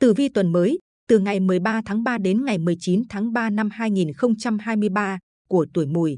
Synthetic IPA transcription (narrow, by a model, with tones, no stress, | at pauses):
t̪ɨ˨˩vi˧t̪wə˨˩nməː˨˦j | t̪ɨ˨˩ŋa˨˩jmɨ˨˩əjɓaː˧t̪ʰaː˨˦ŋɓaː˧ɗe˨˦nŋa˨˩jmɨ˨˩əjt͡ɕi˨˦nt̪ʰaː˨˦ŋɓaː˧na˧mhaː˧jŋi˨˩nxə˧wŋ͡mt͡ɕa˧mhaː˧jmɨ˧əjɓaː˧ | ku˧˩ət̪u˧˩jmṵ˧˩j